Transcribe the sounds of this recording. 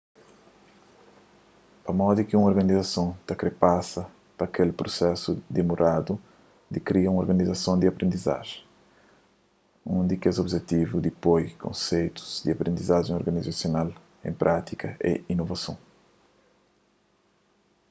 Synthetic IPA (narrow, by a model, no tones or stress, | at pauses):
ɐmɔd̪ukɪũŋoɾɡɐnizɐsõw̃t̪ɐkɾepasɐ | pɐkelpɾosɛsud̪imuɾʔad̪u | d̪ikɾiɐũŋoɾɡɐnizɐsõw̃d̪iɐpɾẽnd̪iza̰ʒẽj̃ | ũnd̪ikɛzobʒet̪ivud̪ipojkʰõ̰sejt̪u̥z̥d̪iɐpɾẽnd̪izaʒẽoɾɡɐnizasjonal | ḛ̃j̃pɾʔat̪ikʰɐʔḛinovɐsõ̰w̃